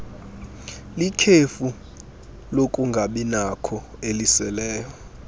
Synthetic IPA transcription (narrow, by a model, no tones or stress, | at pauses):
likʰefu | lokʼuŋɡʱaɓinakʰɔelisɛlɛːjɔ